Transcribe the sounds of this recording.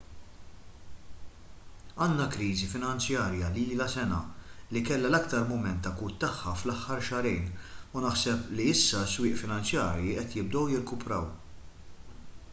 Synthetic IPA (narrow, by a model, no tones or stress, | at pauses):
ɐːnːɐkɾiːzifɪnɐnt͡sjɐːɾjɐliːlɐsɛnɐlikɛlːɐlɐkt̪ɐɾmʊmɛnt̪ːɐkuːt̪ːɐħːɐflɐħːɐɾʃɐɾijnunɐħsɛpliɪsːɐswɪːʔfɪnɐnt͡sjɐːɾjiʔɛt̪jɪb̚d̪ɔwjɪɾkʊpɾɐ̰w